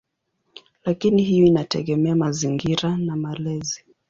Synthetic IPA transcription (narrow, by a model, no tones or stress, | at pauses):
lakinihijɔinatɛ̰ɠɛmɛamaziŋɡiɾanamalɛzi